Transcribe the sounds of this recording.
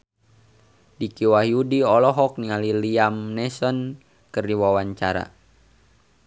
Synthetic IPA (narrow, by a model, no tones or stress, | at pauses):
dikiwaɦiudiɔlɔɦɔk̚niŋaliliamnɛsɔn | kərdiwawaɲt͡ʃaɾa̰